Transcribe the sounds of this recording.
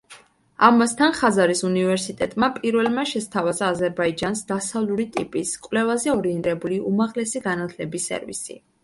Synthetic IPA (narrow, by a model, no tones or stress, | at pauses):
amast̪ʰanχazaɾisunivɛɾsit̪ʼɛt̪ʼmapʼiɾvɛlˠmaʃɛst̪ʰavazaːzɛɾbaid͡ʒansd̪asavlˠuɾit̪ʼipʼiskʼwlɛvazɛɔɾiɛnt̪ʼɛbuliʔumaʁlɛsiɡanat̪ʰlɛbisːɛ̰ɾvḭsḭ